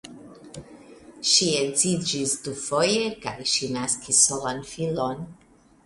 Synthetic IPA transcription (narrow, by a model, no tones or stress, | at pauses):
ʃienzid͡ʒisdufo̞jeka̰jʃinaskʰisːolanfilon